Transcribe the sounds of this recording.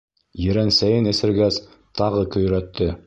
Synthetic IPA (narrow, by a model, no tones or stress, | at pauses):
jɘ̆ɾænsæjɘnɘ̆sɘ̆ɾɡæz | t̪ʰɑʁɤkɵ̆j̆ɾæt̪ːɘ